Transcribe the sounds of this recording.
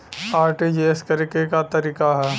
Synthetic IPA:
aːɾʈed͡ʒeeskəɾikekat̪ɐɾiːkaɦɛː

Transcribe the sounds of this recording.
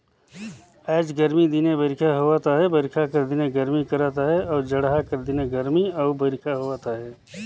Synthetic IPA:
ɛːd͡ʒɡəɾmid̪inebɐɾɪkʰaɦoat̪aɦɛbɐɾɪkʰakɐɾd̪ineɡəɾmikɐɾaːt̪aɦɛɔːɾd͡ʒɐɽɦakəɾd̪ineɡəɾmiɔːbɐɾɪkʰaɦoʋaːt̪aɦɛː

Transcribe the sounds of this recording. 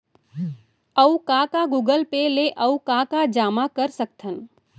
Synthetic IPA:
əukakaɡuːɡəlpeleʔəukakad͡ʒaːmakəɾsək̚t̪ʰən

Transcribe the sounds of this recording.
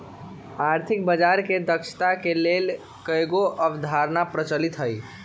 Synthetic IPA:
aɾt̪ʰɪk̚bəd͡ʒaɾked̪əkʃʰt̪akelel | kəjɡoʔəbd̪ʱaɾnapɾət͡ʃəlit̪ɦəj

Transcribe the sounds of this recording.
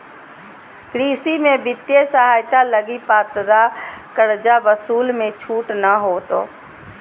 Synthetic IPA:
kɾiːsimẽbɪt̪jesəɦaːjt̪aləɡipaːt̪d̪akəɽd͡ʒaʋəsuːlmẽt͡ʃʰuːʈnəɦoːt̪o̰ː

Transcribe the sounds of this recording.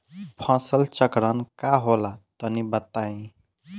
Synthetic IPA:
pʰãsəlt͡ʃəkɾənkaɦolat̪ənibət̪ːaĩ

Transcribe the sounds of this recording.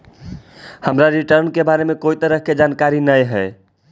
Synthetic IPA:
həmɾaɾiʈəɾnkebaɾemekojt̪əɾəkʰked͡ʒankaɾinəjɦəɪ

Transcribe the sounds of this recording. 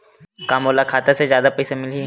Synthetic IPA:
kaːmoːlakʰaːt̪esezjaːd̪apɛːsemɪli

